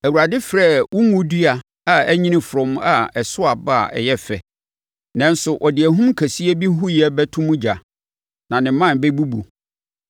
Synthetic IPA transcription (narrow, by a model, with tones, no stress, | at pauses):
æ˨wu˨ɾa˨dɪ˦fɾɛ˦˨wʊ̃˦ŋũ˦di˦a˨ | a˨æ˦ɲĩ˦nɪ̃˦fɾʊ̃˨m˦a˨ɛ˨sʊ˦a˨ba˦a̰˨ɛ̰˨jɛ˦fɛ˨ | nɛ̃˦n˦sʊ˨ʔɔ˨dɪ˨æ˨ɦũ˦m˦kʰæ˨si˦e˦bi˦ɦʊ˦jɛ˦bɛ˦tʰʊ̃˦mũ˦d͡ʑa˨ | nã˨nɪ̃˨˦mã˦˨n˨be˦bu˦bu˨